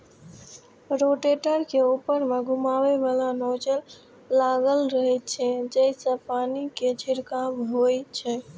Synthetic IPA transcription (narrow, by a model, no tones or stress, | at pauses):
ɾoʈeʈəɾkeupəɾmeɡʱumabebalanod͡ʒəlː | aɡəlɾəɦɛtt͡ʃʰɛd͡ʒəɪsə̃paniked͡ʒʰiɾkamɦojt͡ʃʰɛ